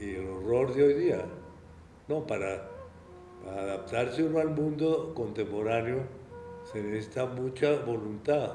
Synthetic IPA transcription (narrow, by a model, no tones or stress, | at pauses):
ieleroɾðeojðia | no̞paɾa | paɾaːðap̚t̪aɾseunalmũnd̪oko̞nt̪empo̞ɾanjosenesesit̪amũt͡ʃaβo̞lunt̪a